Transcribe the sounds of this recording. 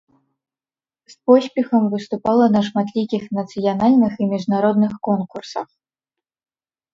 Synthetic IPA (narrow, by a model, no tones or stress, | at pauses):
spɔsʲpʲɛxɐmvɨst̪upalˠɐnɐʂmat̪lʲikʲixnɐt̪sɨjanalʲnɨximʲiʐnaɾɔd̪nɨxkɔnkursɐ̰x